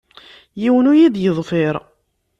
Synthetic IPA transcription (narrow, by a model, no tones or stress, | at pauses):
jiwənujid̪jəðˤfɪɾˤ